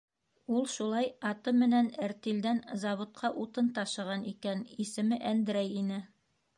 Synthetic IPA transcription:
ulˠʃulˠɑjɑt̪ɤmɘ̆nænɘ̆ɾt̪ild̪ænzɑβŏt̪̚qɑʔut̪ɤnt̪ɑʃɤ̆ʁɑnikænisɘ̆mɘʔænd̪ɘ̆ɾæjinɘ

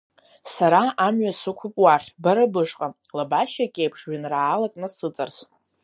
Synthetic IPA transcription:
saɾaamɥasɨkʷʰʊpʼwaχʲbaɾabɨʂqʼa | labaʃakʲʼejpʰʂɥanraːlakʼnɨsɨt͡sʼars

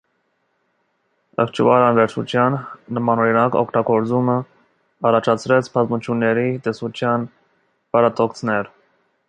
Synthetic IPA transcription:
ə̰kʰt͡ʃʰvɑɾɑnvɛɾt͡ʃʰṵt͡sʰjɑnːəmɑnɔɾinɑkɔ̰kʰt̪ɑɡɔɾt͡sumə | ɑrɑt͡ʃʰɑt͡sʰɾɛt͡sʰpʰɑt̪mut͡ʃʰjunːɛɾit̪ɛsut͡ʃʰjɑn | pɑɾɑt̪ɔkt͡sʰnɛɾ

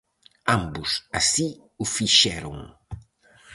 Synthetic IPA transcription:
ãmbʊsasi | ʊfiʃɛɾʊ̰ŋ

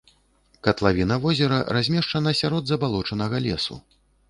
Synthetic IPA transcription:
kɐt̪lˠavʲinɐvɔzʲɛɾɐ̰razʲmʲɛʂt͡ʂɐnɐsʲaɾɔd̪zɐbalˠɔt͡ʂɐnɐɣɐlʲɛ̰sṵ

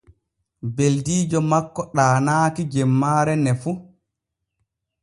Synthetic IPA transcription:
beldiːd͡ʒɔmakːɔɗaːnaːkid͡ʒɛmːaːɾɛnɛfu

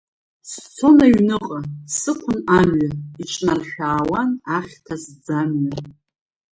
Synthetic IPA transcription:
st͡sʰo̞naɥnɨqʼasɨkʷʰʊnamɥaiʈ͡ʂʼnarʃᶣaːwanaχʲtʰasd͡zamɥar

